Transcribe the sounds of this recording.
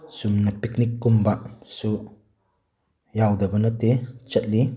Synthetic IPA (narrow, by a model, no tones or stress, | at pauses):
sumnapik̚nikːumbaʔsu | jawd̪ɐbɐnɐt̪et͡ʃɐt̪̚li